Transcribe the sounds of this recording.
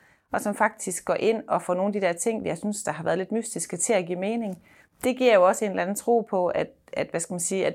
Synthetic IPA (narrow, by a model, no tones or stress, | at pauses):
ɒ̽sɒ̽mfɑ̈ɡ̥̚d̥isɡ̥ɒ̰ːʔe̝n̰ɒ̽fɒːno̝ːnd̥id̥eɐt͡sʰe̝ŋ̰jɑ̈ɪsynsd̥ɑ̈ɦɑ̈ʋæːɐðˠle̝d̥mysd̥isɡ̥ət͡sʰe̝læɡ̥ḭːme̝ːne̝ŋ | d̥e̝ɡ̥iɐ̰jo̝ɒ̽səe̝ːnlæn̩t͡sʰʁo̝̰ːpʰɒ̽æ̥ | æd̥ʋæsɡ̥æmænsiːæd